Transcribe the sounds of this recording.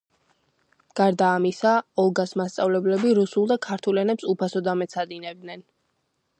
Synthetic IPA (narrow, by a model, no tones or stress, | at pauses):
ɡ̥aɾd̪aːmisaɔlˠɡasmast̪sʼa̰vlɛblɛbiɾusulˠd̪akʰaɾt̪ʰulɛnɛpsupʰasɔd̪amɛt̪sʰad̪inɛb̚d̪nɛn